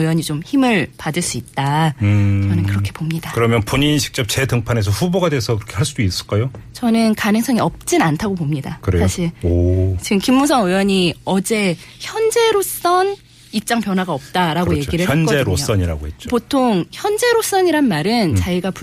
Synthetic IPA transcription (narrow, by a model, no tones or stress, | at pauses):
jwʌɲit͡ɕomçimɯɭpadɯɭs͈uit̚t͈a | t͡ɕʌnɯnkɯɾʌkʰe̞pomɲidakɯɾʌmjʌnpoɲiniɕʰi̥k̚t͡ɕ͈ʌp̚t͡ɕe̞tɯŋpʰane̞s̬ʰʌɸuboɡadwesʰʌkiɾʌkʰeɦaɭs͈udois͈ɯɭk͈ajot͡ɕʌnɯnkanɯŋs͈ʰʌŋiʌp̚t͡ɕ͈inantʰaɡopomɲidakɯɾesaɕʰiɭot͡ɕiɡɯmkimːusʰʌŋɯjʌɲiʌd͡ʑe̞çjʌnd͡ʑe̞ɾos͈ʌn | ik̚t͡ɕ͈aŋpjʌnwaɡaʌp̚t͈aɾaɡoje̞ɡiɾɯʌnkʌeɾos͈ʌɲiɾa̰ɡohet͡ɕ͈potʰoŋçjʌnd͡ʑe̞ɾos͈ʌɲiɾanmaɾɯnt͡ɕaiɡapu